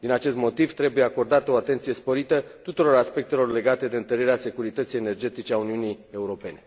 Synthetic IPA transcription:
d̪inat͡ʃe̞st̪mo̞t̪ivt̪ɾe̞bujeako̞rd̪at̪əoat̪e̞nt̪sije̞spo̞ɾit̪ət̪ut̪uɾo̞ɾaspe̞k̚t̪elo̞rle̞ɡat̪e̞d̪e̞ɨnt̪əɾeɾease̞kuɾit̪ət̪sije̞ne̞rd͡ʒe̞t̪it͡ʃe̞auniunije̞uɾo̞pe̞ne̞

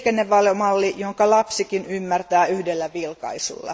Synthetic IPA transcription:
kenːeʋʋɑlomɑlːijoŋkɑlɑpsikinymːært̪æːyhdelːæʋilkɑ̰isṵlːɑ̰

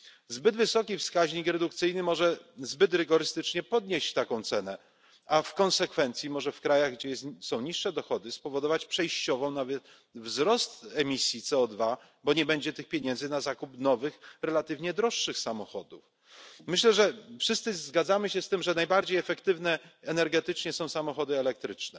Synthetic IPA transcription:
zbɘd̪vɘsɔkʲifskaʑɲikɾɛd̪ukt̪sɘjnɘmɔʐɛzbɘt̪ɾɘɡɔɾɘst̪ɘt͡ʂɲɛpɔd̪ɲeɕt͡ɕt̪akɔ̃w̃t̪sɛnɛ | afkɔ̃ñsɛkfɛnt̪sʲimɔʐɛfkɾajaɣɡd͡ʑɛjɛst̪sɔ̃w̃ɲiʂːɛd̪ɔxɔd̪ɘspɔvɔd̪ɔvat͡ɕpʂɛjɕt͡ɕɔvɔ̃w̃navɛt̪ | vzɾɔst̪ɛmʲisʲjit̪sɛɔd̪va | bɔɲɛbɛɲd͡ʑɛt̪ɘxpʲjeɲɛnzɘnazakupnɔvɘxɾɛlat̪ɘvɲɛd̪ɾɔʂːɘxsamɔxɔ̰d̪uf | mɘɕlɛʐɛfʂɘst̪sɘzɡad̪zamɘɕɛst̪ɘmʐɛnajbaɾd͡ʑejɛfɛkt̪ɘvnɛɛnɛɾɡɛt̪ɘt͡ʂɲɛsɔ̃w̃samɔxɔd̪ɘɛlɛk̚t̪ɾɘt͡ʂnɛ

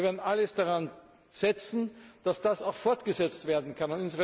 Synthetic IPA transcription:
veːɐdnʔaləsd̥aʁan | z̥ɛt͡sn̩d̥asd̥asaʊxfɔɐtɡ̥əzɛt͡stv̥eːɐdn̩kʰanʊnɪnsvə

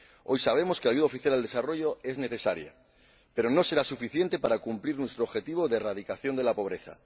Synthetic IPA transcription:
ojsaβ̞e̞mo̞skeaʝuð̞aofiθjalald̪e̞saro̞ʝoe̞zne̞θe̞saɾja̰ | pe̞ɾo̞no̞se̞ɾasufiθje̞nt̪e̞paɾakumpliɾnwe̞st̪ɾoxe̞t̪iβ̞o̞ðeraðikaθjo̞nd̪elapo̞β̞ɾe̞θa̰

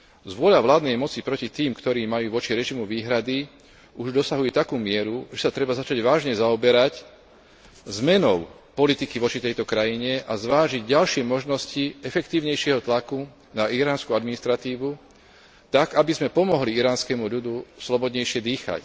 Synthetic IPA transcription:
zʋʊɔʎaʋlaːd̪nɛjmɔt͡sipɾɔcit̪iːmkt̪ɔɾiːmajuːʋɔt͡ʃiɾɛʒimuʋiːɦɾad̪i | uʒd̪ɔsaɦujɛt̪akuːmɪɛɾuʒɛsat̪ɾɛbazat͡ʃaɟʋaːʒɲɛzaɔbɛɾac | zmɛnɔʊ | pɔlit̪ikiʋɔt͡ʃit̪ɛjt̪ɔkɾajiɲɛʔazʋaːʒiɟɟalʃɪɛmɔʒnɔsciɛfɛkt̪iːʊɲɛjʃɪɛɦɔt̪laku | naiɾaːnskuad̪minist̪ɾat̪iːʋu | t̪aɡabizmɛpɔmɔɦliiɾaːnskɛmuʎud̪uslɔbɔd̪ɲɛjʃɪɛd̪iːxa̰c

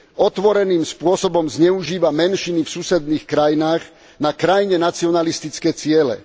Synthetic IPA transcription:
ɔt̪ʋɔɾɛniːmspʊɔsɔbɔmzɲɛuʒiːʋamɛnʃinifsusɛd̪niːxkɾajinaːɣ | nakɾajiɲɛnat͡siɔnalist̪it͡skɛːt͡sɪɛlɛ̰

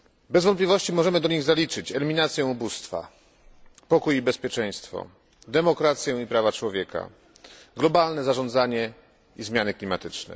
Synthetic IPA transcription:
bɛzvɔn̚plʲivɔɕt͡ɕimɔʐɛmɘd̪ɔɲiɣzalʲit͡ʂɘt͡ɕɛlʲimʲinat̪sʲjɛubust̪fa̰ | pɔkujibɛspʲjɛt͡ʂɛ̃j̃st̪fɔ̰ | d̪ɛmɔkɾat̪sʲjɛ̃ipɾavat͡ʂwɔvʲjɛka̰ | ɡlɔbalnɛzaʐɔnd̪zaɲɛ | izmʲjanɘklʲimat̪ɘt͡ʂnɛ̰

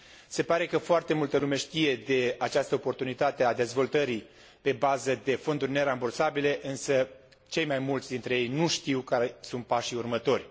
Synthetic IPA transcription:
se̞paɾe̞kəfoart̪e̞mult̪əlume̞ʃt̪ije̞d̪e̞at͡ʃast̪əoport̪unit̪at̪ead̪e̞zvo̞lt̪əɾi | pe̞bazəd̪e̞fo̞nd̪urʲne̞ɾambursabile̞ʔɨnsə | t͡ʃe̞jmajmult̪sʲd̪int̪ɾe̞jejnuʃt̪iwkaɾesunt̪̚paʃiurmət̪o̞rʲ

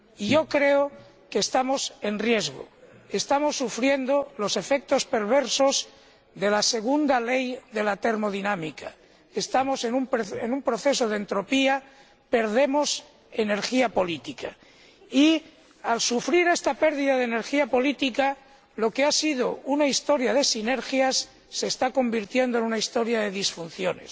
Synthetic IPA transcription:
iʝokɾe̞o | keːst̪amo̞se̞nrje̞zɣo̰ | e̞st̪amo̞sːufɾje̞nd̪olo̞se̞fe̞k̚t̪o̞spe̞ɾβ̞e̞ɾso̞z | ðe̞lase̞ɣ̞und̪ale̞jðe̞lat̪e̞ɾmo̞ðinãmika | est̪amosenumpenumpɾo̞θe̞so̞ð̞eent̪ɾo̞pia | pe̞ɾðe̞mo̞s | e̞ne̞ɾxiapo̞lit̪ikʰa | i | alsufɾiɾe̞st̪ape̞ɾðiðaðene̞ɾxiapo̞lit̪ika | lo̞ke̞asið̞o̞unaist̪o̞ɾjað̞e̞sine̞ɾxjasː | e̞ːst̪ako̞mbiɾt̪je̞nd̪oenunaist̪o̞ɾjaðe̞ðisfun̟θjo̞ne̞̰s

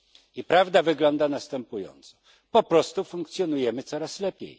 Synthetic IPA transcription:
ipɾavd̪avɘɡlɔnd̪anast̪ɛmpujɔ̰nt̪sɔ̥ | pɔpɾɔst̪ufuŋkt̪sʲjɔnujɛmɘt̪sɔɾaslɛpʲjḛj

